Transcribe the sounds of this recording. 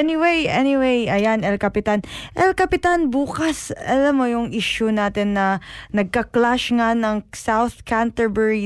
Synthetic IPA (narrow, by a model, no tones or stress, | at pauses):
ɛniwejʔɛniwejʔɐjanɛlkɐpɪt̪anʔɛlkɐpɪt̪anbuːkɐsɐlamːojʊŋʔiʃʊnaːt̪ɛnːɐnɐɡ̚kɐklaʃŋanɐŋsawθkant̪ɛbɛɹi